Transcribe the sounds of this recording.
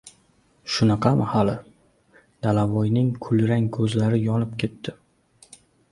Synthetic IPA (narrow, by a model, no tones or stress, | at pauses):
ʃʊnɑqʰɑmahalɪ | d̪̥alavɒjnɪŋkʰʊlɾaŋkʰɵzlaɾɪjɒnɪp̚kʲʰe̞t̪ːɪ